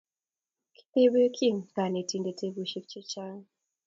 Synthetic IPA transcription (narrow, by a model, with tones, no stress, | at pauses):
ki̥˦t̪e˦be˦kʰi˦ŋka˨ne˨ti˨nde˨te˦bu˨ʃi˦k̚t͡ʃe˦t͡ʃa˦ŋ